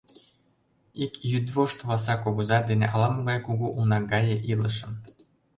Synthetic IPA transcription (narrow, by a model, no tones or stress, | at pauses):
ikjyd̪βoʃt̪vɑs̬ɑkoɣuzɑd̪enḛʔɑlɑmoɣɑjkuɣuʔulˠnɑɣɑjeʔiləʃəm